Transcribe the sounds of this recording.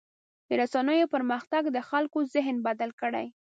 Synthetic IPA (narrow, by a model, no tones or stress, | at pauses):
d̪əɾasanəjopəɾməxt̪aɡd̪əxalkozɪɦnbad̪alkəɽa̰j